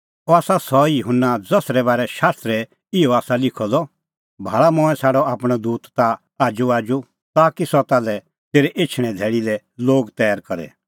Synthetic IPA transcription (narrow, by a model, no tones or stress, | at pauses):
ɔaːsasɔjʊɦʊnːad͡zɐsɾɛbaːɾɛʃaːst̪ɾɛ | ɪɔaːsalɪkʰɔd̪ɔ | bʱaːɭamɔ̃ːɛ̃saːɽɔaːpɽ̃ɔd̪uːt̪ːa | aːd͡ʒuaːd͡ʒu | t̪aːkisɔt̪aːlɛ | t̪eːɾɛʔet͡ʃʰɽ̃ɛ̃d̪ʱɛːɽilɛ | loːɡt̪ɛːəɾkɐɾɛ̰